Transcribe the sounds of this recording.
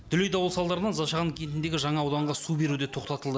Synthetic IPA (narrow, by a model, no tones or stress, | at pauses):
d̪̥ʏlejd̪ɑwəlˠsɑlˠd̪ɑɾənɑnzɑʃɑʁŋkʲʰe̞nt̪ɪnd̪e̞ɡʲɪʒɑɴɑːwd̪ɑɴʁɑsube̞ɾud̪e̞t̪ʰo̞qt̪ɑt̪əlˠd̪ə